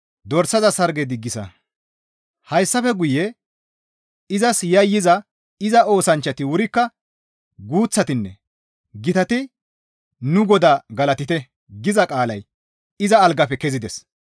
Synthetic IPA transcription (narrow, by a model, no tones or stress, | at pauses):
d̪ɔɾsːɐzɐsɐɾɡɛd̪ɪɡːɪsɐ̰ | hɐjsːɐfɛɡʊjɛ | ɪzɐsjɐjːɪzɐ | ɪzɐo̞ːsɐnt͡ʃːɐt̪ɪwʊɾɪkːɐ | ɡuːt͡sːɐt̪ɪnːɛ | ɡɪt̪ɐt̪ɪ | nʊɡɔd̪aːɡɐlɐt̪ɪt̪ɛ | ɡɪzɐkʼaːlɐj | ɪzɐːlɡɐpɛkɛzɪd̪ɛs